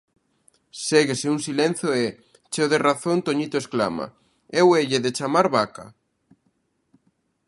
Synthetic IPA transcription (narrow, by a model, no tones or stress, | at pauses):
seɣeseuŋsilen̟θjoɛ | t͡ʃeoðeraθõnt̪oɲit̪oeskla̰ma̰ | eweʎeðet͡ʃamaɾβaka̰